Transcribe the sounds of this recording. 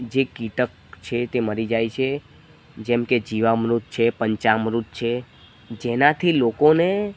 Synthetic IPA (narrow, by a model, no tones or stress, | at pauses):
d͡ʒekiʈək̚ | t͡ʃʰet̪eməɾid͡ʒajt͡ʃʰe | d͡ʒɛmked͡ʒiʋamɾut̪̚t͡ʃʰepəɲt͡ʃamɾut̪̚t͡ʃʰe | d͡ʒenat̪ʰilokone